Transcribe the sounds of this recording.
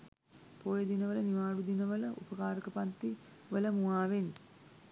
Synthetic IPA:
poːjed̪inɐʋələniʋaːɽud̪inɐʋələʔṵpəkaːɾəkəpant̪i | ʋələmuaːʋen

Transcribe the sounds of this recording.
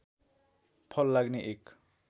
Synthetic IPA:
pʰʌlːaɡneʔek

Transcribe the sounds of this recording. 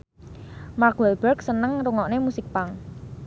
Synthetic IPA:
mark̚wɛlbɛrksənəŋɾuŋɔʔnemusɪk̚paŋ

